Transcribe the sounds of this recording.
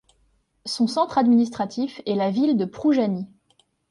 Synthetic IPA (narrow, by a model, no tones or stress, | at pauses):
sɔ̃sɑ̃t̪χad̪minist̪χat̪ifɛlavild̪əpχuʒani